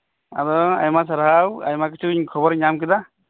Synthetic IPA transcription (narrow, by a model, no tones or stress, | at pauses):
a̰ɾɔa̰jmas̬aɾɦawa̰jmakisukʰɔbɔɾɲamkida